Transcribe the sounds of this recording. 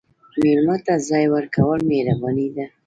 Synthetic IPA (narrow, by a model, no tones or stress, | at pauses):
meɾmat̪azɑjwəɾkawəlmeɾabɑnid̪a